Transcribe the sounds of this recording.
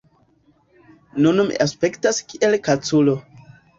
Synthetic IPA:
nunmḭʔaspe̞ktaskiʔelkat͡sulo

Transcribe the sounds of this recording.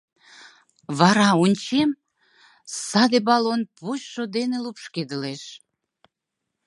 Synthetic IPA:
βɑɾɑunʲt͡ɕem | sɑd̪ebɑlonpuɕʃod̪enelupʃked̪əleʃ

